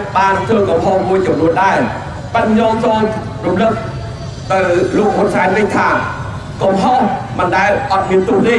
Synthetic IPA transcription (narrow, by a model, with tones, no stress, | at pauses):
ɓaː˧nt̪ʰɨ˧ŋkɔ˧mɦɔ˧hmu˧əjt͡ɕɔ˨mnu˧ənɗa˧ | pə˧t̪̚ɲɔː˧ŋt͡ɕɔː˧ŋ | ru˧mlɨk̚ | t̪ɨ˧wlo˧k̚hʊ˧ənsa˧nʋɨ˧ɲt̪ʰaː˧ | kɔ˧˩mɦɔ˧hmɨ˩nɗa˧ɛʔɑ˧t̪̚hi˧ənt̪u˧əhni˧